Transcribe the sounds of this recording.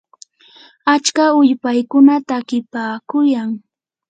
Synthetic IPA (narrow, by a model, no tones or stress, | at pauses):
at͡ʃkaʊʎpajkʊnat̪aːkɪpaːkʊjaŋ